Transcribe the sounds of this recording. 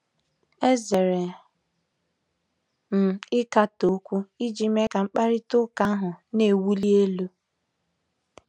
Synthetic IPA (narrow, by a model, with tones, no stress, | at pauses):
e˦ze˨ɾe˨ | m̩˨ɪ˦ka˦to˦kʷu˦i˦d͡ʒi˦me˦ka˨ŋ͡m̩˦k͡pa˦ɾi˦tʊ˦ka˦ɦʊ˨ne˨wu˦li˦e˦lu˦